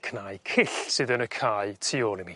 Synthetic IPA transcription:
kʰnaːjkʰɪɬsɨðənəkʰaːɨtʰioːlˠini

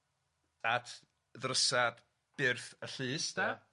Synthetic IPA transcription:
atʰ | ðrəsad̥ | b̥ɪrθəɬɨːsda

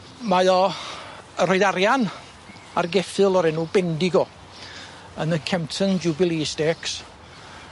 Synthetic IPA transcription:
majɔ | əɾɔjðaɾjan | a̰rɡɛfɨlˠɔɾɛnuːbɛndɪɡɔ | ənəkʰɛmtʰənd͡ʒubɪlˠisdɛks

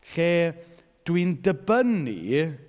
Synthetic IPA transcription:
ɬeː | d̥windəbənḭ

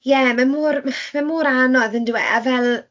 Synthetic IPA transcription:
jɛmamuːrmmamuːɾanɔðəndwɛ̰avɛlˠ

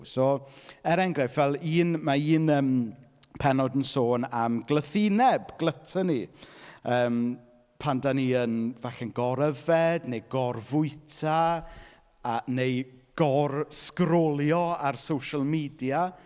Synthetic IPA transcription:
soːɛɾɛŋɡrɛfvɛlˠiːnmaiːnəːmpʰɛnɔdənsoːnamɡlˠəθinɛbɡ̥lˠətʰəni | əːm | pʰandaniənvaɬɛnɡɔɾəvɛdnejɡɔrvʊɨtʰa | anejɡ̥ɔrskrɔlˠjɔarsowʃəlˠmiːdja

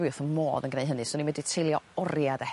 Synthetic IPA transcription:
ɨθənmo̰ːðənɡnejɦənɨsɔninwɛditʰɪlˠjɔɔrjada

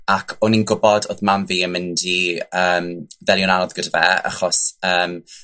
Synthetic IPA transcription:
akʰɔninɡʊbɔdoːðmamviːəmɪndiəːmvɛljɔnanɔðɡ̥ədəvɛːa̰χɔsəːm

